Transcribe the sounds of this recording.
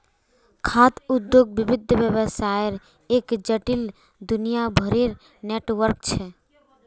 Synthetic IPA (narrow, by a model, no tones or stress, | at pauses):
kʰat̪ʊd̪joɡ̚bɪbɪd̪ʱʋjəʋəsajɾ | eːkd͡ʒəʈil | d̪ʊnijabʱəɾeɾ | neːʈʋəɾkt͡ʃʰɛ